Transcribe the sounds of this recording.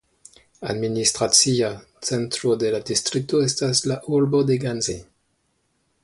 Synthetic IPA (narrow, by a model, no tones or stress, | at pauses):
a̰dministʁat͡sia | t͡sentɾodeladistɾik̚toestaslaʔuɾbodeɡanze